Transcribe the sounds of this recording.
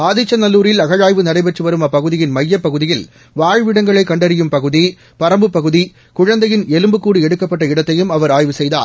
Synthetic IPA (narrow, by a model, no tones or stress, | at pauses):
aːðɪt͡ʃːɐnɐlːuːɾɪlɐɣɐɻaːjʋɯnɐɾɐɪbɛʈrɯʋɐɾɯmɐpːɐɣɯðɪjɪnmɐjːɐpːɐɣɯðɪjɪl | ʋaːɻʋɪɽɐŋɡɐɭɐɪkːɐɳɖɐɾɪjɯmpɐɣɯði | pɐɾɐmbɯpːɐɣɯði | kʊɻɐnd̪ɐjɪnɛlɯmbɯkːuːɽiɛɽɯkːɐpːɐʈːɐɪɽɐt̪ːɐjɯmɐʋɐɾaːjʋɯsɛjða̰ː